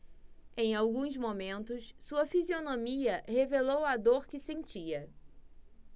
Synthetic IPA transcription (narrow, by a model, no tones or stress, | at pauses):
ẽj̃awɡũzmomẽnt̪ʊssuɐfizionõmiɐɦevelowad̪oɾkɪsẽnt͡ʃiɐ